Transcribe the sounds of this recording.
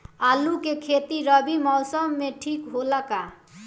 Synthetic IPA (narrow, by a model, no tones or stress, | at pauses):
alukekʰet̪iɾʌbimɔwsəmːeʈʰikɦolaka